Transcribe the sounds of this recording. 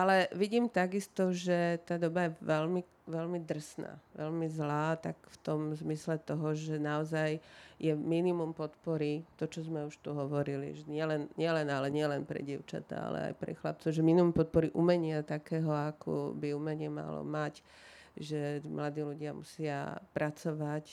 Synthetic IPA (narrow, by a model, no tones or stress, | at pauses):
ʔalɛʋiɟiːmt̪aɡist̪ɔʒɛt̪aːd̪ɔbajɛʋɛlmi | ʋɛlmid̪r̩sna̰ːʋɛlmizlaːt̪akft̪ɔmzmislɛt̪ɔɦɔʒɛnaɔzajjɛminimumpɔt̪pɔɾit̪ɔt͡ʃɔzmɛuʃt̪uɦɔʋɔɾilḭʒɛɲɪɛlɛnɲɪɛlɛnalɛɲɪɛlɛnpɾɛ̰ɟɪɛʊt͡ʃa̰t̪a̰a̰lɛ̰a̰jpɾɛ̰xla̰p̚t͡sɔʊʒɛminimumpɔt̪̚pɔɾiʔumɛɲɪat̪akɛːɦɔakʰɔ̰biumɛɲɪɛma̰lɔ̰mac | ʒɛmlad̪iːluɟɪamṵsɪa̰pɾat͡sɔʋac